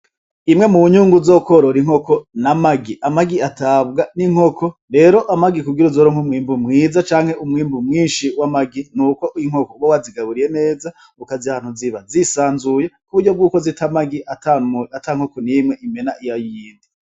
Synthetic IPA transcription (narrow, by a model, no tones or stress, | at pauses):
imŋe̞muβuɲuːŋɡuzoko̞ɾoɾiŋ̥ho̞konamaɡiʔamaɡiatʰabɡaniŋ̥ho̞kʰo̞ɾe̞ːɾo̞ʔamaɡikuɡiɾuzoɾoŋhumwiːmbumŋiːzat͡ʃaːŋhe̞umwiːmbumŋiːnʃiwamaɡinuːko̞ʔiŋ̥okowowaziɡaβuɾije̞ne̞ːza | ukaziahaːnhuziβazisaːnzuje̞kuβuɾɟo̞b̚ɡuːko̞zitʰamaɡiʔataatʰaŋ̥ho̞konimŋe̞ʔime̞naʔijajujiːndi